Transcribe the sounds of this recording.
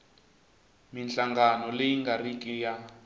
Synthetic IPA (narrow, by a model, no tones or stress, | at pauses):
mint͡ɬaŋɡanɔlejiŋɡarikʼija